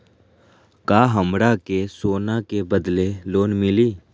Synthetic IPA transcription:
kaːɦəmɾakesoːnakebəd̪leloːnmɪliː

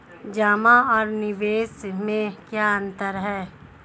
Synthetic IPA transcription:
d͡ʒaːmaɔːɾnɪʋeːsmẽkjaːə̃nt̪əɾɦɛː

